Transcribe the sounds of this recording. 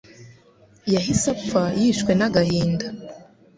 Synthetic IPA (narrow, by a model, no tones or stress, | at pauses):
jaɦisafajiʃkwe̞naɡahiːnda